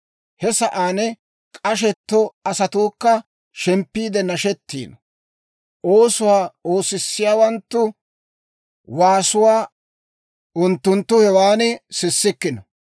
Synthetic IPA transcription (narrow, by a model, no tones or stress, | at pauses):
hɛsɐʔaːnɛ | kʼɐʃ̬ɛt̪ːɔɐsɐt̪uːkːɐ | ʃɛmpːiːd̪ɛnɐʃɛt̪ːḭːnɐ | ʔoːsʊwaːo̞ːsɪsːɪjaːwɐnt̪ːʊ | waːsʊwaː | ʊnt̪ːʊnt̪ːʊhɛwaːnɪsɪsːɪkːɪnɐ